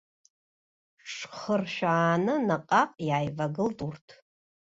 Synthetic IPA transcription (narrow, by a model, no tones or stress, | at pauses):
ʂχərʃᶣaːnɨnaqʼaqʼjaːjvaɡɨltʼurtʰ